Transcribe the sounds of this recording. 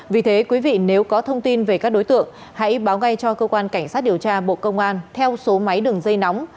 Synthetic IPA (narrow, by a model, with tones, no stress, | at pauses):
vi˨˩t̪ʰe˨˦kwi˨˦vḭ˧˨ne˨˦wkɔ˨˦t̪ʰə˧wŋ͡mt̪i˧nve˨˩kaː˦˥k̚ɗo˨˦jt̪ɨ̰˧˨əŋ | ha̰˧˥jɓaː˨˦wɣa˧jt͡ɕɔ˧kəː˧kwaː˧nka˧˩jŋ̟saː˦˥t̚ɗi˨˩əwt͡ɕaː˧ɓo̰˧˨kə˧wŋ͡mʔaː˧nt̪ʰɛ˧wso˨˦ma˨˦jɗɨ˨˩əŋzə˧jna˨˦wŋ͡m